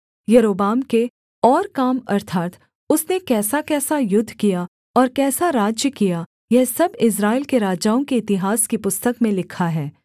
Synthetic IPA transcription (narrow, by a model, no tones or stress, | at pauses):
jɐɾoːbaːmke | ɔːɾkaːmɐɾt̪ʰaːt̪ | ʊsnekɛːsakɛːsajʊd̪ʱːkija | ɔːɾkɛːsaɾaːd͡ʒjəkija | jɛɦsɐbɪs̬ɾaːilkeɾaːd͡ʒaːõkeɪt̪ɪɦaːskipʊst̪əkmẽlɪkʰaɦɛː